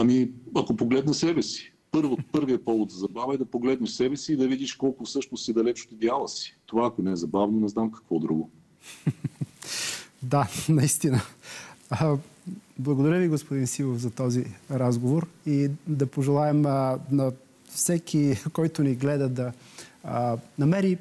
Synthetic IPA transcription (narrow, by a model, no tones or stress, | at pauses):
ɐmiɐkopoɡlɛd̪nɐsɛbɛsi̥ | pɤɾvopɤɾviɐpɔvˠot̪zɐzɐbavəɛd̪ɐpoɡlɛd̪nɛʃsɛbɛsiːd̪ɐvid̪iʃkɔlˠkʊfsɤʃtnosid̪ɐlɛt͡ʃo̥t̪ed̪ʲjalˠəsi̥t̪ovaːkonɛɛzɐbavnonɛznamkɐ̥kvɔd̪ɾṵɡʊ | d̪anɐist̪inə | blˠɐɡod̪ɐɾʲjəviɡospod̪insivofzɐt̪ɔziɾazɡovoɾid̪ɐpoʒɛlˠaɛmnɐ | fsɛkikɔjt̪ʊniɡlɛd̪əd̪ɐ | nɐmɛɾi